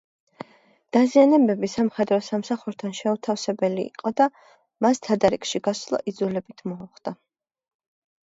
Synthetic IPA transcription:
d̪̥azianɛbɛbisamχɛd̪ɾɔsamsaχuɾt̪ʰanʃɛut̪ʰafsɛbɛlḭːqʼɔd̪a | mast̪ʰad̪aɾikʃiɡaslˠɔ̰ʔid̪zulɛbit̪ʰmɔːχd̪̥a

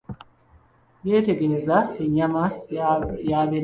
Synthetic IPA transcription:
je̞ːte̞ɡe̞ezaeɲːama | jaːβeɾ

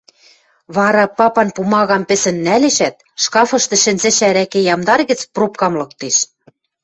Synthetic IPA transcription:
βɑɾɑpɑpɑnpumɑɣɑmpɘ̆sɘ̆nːæleʃæt̪̚ | ʃkɑfɤ̆ʃt̪ɤ̆ʃɘ̆nzɘ̆ʃæɾækĕjɑmd̪ɑrɣɘ̆t͡sprop̚kɑmlɤ̆k̚t̪eʃ

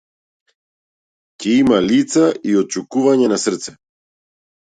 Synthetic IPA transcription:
cɛimalit̪saiɔt̪̚t͡ʃukuvaɲɛnasr̩t̪sɛ

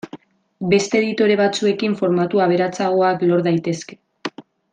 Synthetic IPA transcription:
be̞st̪eːðit̪o̞ɾe̞βat͡sue̞kiɱfo̞ɾmat̪uaβ̞e̞ɾat͡saɣ̞o̞aklo̞ɾðajt̪e̞ske̞̥

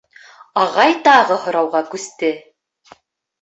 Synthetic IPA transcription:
ɑʁɑjt̪ɑʁɤhŏɾɑwʁɑkʉst̪ɘ

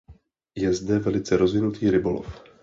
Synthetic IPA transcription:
jɛzdɛvɛlɪt͡sɛɾo̞zvɪnut̪ʰiːɾɪbo̞lo̰f

